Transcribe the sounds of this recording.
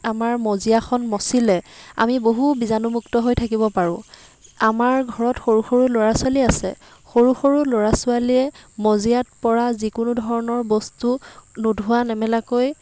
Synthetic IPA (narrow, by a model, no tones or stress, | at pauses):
amaɹmozijaxʰɔnmɔsilɛa̰miboɦubizanumuktɔɦojtʰakibɔpaɹʊ̃ | amaɹɡʱɔɹɔtxoɹuxoɹuloɹasaliasɛ̰ | xoɹuxoɹuloɹasʊalijɛmɔzijat̚pɔɹazikʊnudʱɔɹɔnɔɹbɔstunudʱʊanɛmɛlakoj